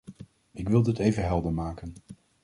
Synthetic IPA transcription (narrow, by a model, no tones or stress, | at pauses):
ɪkʋɪlˠɪtejvəɦɛlˠdəɹmaːkən